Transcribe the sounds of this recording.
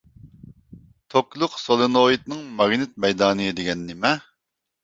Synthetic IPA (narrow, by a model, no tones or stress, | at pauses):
t̪ʰoklˠʊqsolˠɨnoit̪̚nɨŋmɑɡnɪt̪̚mɛjd̪ɑːnɨjɨd̪eɡʲɛnːɪmɛ